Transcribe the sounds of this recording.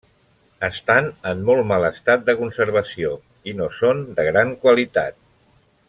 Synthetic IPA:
əst̪anəmːɔlˠmaləst̪at̪̚d̪əkunsəɾβ̞əsio | inosond̪əɣ̞ɾaŋkwalit̪a̰t̪̚

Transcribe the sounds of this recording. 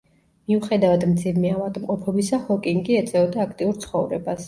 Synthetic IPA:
miuχɛd̪avad̪md̪zivmɛavad̪ʼmqʼɔpʰɔbisahɔkʼiŋɡiɛt̪sʼɛɔd̪aːkʰt̪ʼiuɾt̪sʰχɔvɾɛbas

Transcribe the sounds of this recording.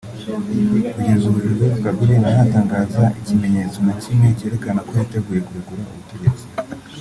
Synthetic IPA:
kuɟezuβuʒizokuɡaɡuɾenajaːtaːŋɡaːzaʔicime̞ɲe̞t͡so̞nacimŋe̞ce̞ːɾe̞kanako̞jate̞ɡuːje̞kuɾuɡuɾaṵβute̞ɟe̞t͡si̥

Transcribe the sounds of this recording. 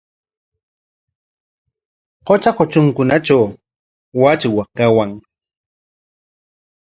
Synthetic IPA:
qot͡ʃakot͡ʃʊŋkʊnat͡ʃaw | wat͡ʃwakawaŋ

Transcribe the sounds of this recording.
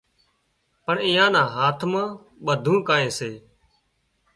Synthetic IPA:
pəɳɪ̃ːjãːnãːɦaːt̪ʰmãː | ɓəd̪ʱũːkaːẽːseː

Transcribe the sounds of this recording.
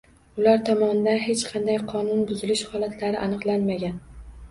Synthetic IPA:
ʊlaɾt̪ʰɒmɒnɪd̪anɦe̞t͡ʃqʰɑnd̪ajqʰɒnʊnbʊzɪlɪʃhɒlat̪ʰlaɾɪʔanɨqlˠanmaɡʲan

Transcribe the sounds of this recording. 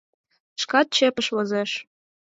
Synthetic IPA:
ʃkɑt̪̚t͡ɕepəʃβozeʃ

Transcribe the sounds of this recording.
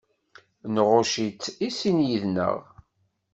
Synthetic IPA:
nʁoʃit͡sːisinjiðnə̰ʁ

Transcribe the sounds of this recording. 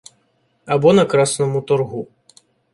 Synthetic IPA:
abɔnɐkɾasnɐmut̪ɔrɣu

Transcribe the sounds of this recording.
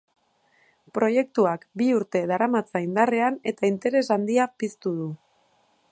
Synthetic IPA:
pɾo̞je̞kt̪uakbiuɾt̪e̞ðaɾamat͡saind̪are̞ane̞t̪aint̪e̞ɾe̞zand̪iapist̪uð̞u

